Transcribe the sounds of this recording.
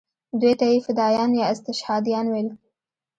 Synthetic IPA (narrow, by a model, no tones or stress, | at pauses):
d̪wet̪ajefɪd̪ɑjɑnjɑɪst̪ɪʃhɑd̪ijɑnwel